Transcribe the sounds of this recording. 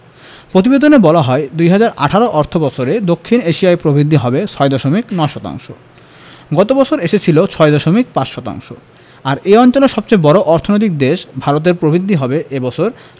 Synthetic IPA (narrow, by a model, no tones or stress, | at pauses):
pɾot̪̬ibed̪onebɔlaɦɔed̪ujɦad͡ʑaɾa̰ʈʰaɾoʔɔɾt̪ʰobɔt͡ɕʰoɾed̪okʰːineʃiaepɾobʱɾid̪ʱːiɦɔbet͡ɕʰɔed̪ɔʃomiknɔeʃɔt̪a̰ŋʃo̰ | ɡɔt̪obɔt͡ɕʰoɾeʃet͡ɕʰilot͡ɕʰɔed̪ɔʃomik̚pat͡ɕʃɔt̪a̰ŋʃo | aɾeɔnt͡ɕoleʃɔb̚t͡ɕejbɔɾoʔɔɾt̪ʰonojt̪ik̚d̪eʃbʱaɾot̪̬eɾpɾobʱid̪ʱːiɦɔbeʔebɔt͡ɕʰoɾ